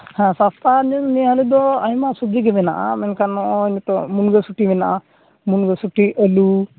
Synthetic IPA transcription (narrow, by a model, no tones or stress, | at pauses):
hãsast̪aniniɦalid̪ɔajmasubd͡ʒiɡɛmɛnaʔa̰mɛnkanːɔʔɔinɛt̪ɔmunɡɔsuʈimɛnaʔa | munɡɔsuʈiɛlu